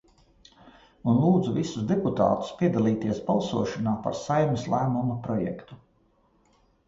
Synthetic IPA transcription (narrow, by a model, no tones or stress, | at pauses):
unlˠuːd̪zuvisuzd̪ɛput̪a̰ːt̪u̥spʲiɛd̪alˠiːt̪iɛsbalˠsuɔʃanaːpa̰ɾsajmislˠæːmumapɾɔjɛ̰kt̪u